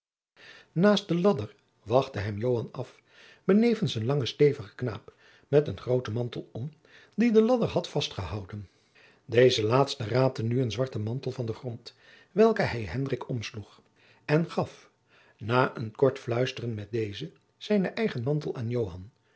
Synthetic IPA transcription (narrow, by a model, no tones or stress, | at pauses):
naːst̚dəlɑdəɹ | ʋɑχtəɦɛmjowɦɑnɑf | b̥ənejvənsənlɑŋəstejvəχə̥kna̰ːp | mɛtənχrowtəmɑntəlˠɔm | didəlɑdəɹɦɑtfɑstχəɦɑwdən | dejzəlaːtstəraːp̚tənyənzʋɑɹtəmɑntəlˠvɑndəχrɔnt | ʋɛlˠkəɦɛjɦɛndrɪkɔmsluχ | ɛnχɑf | naːʔənkɔɹtflœɥstərənmɛt̚dejzə | z̥ɛjnəʔɛjχənmɑntəlˠaːnjowɦɑn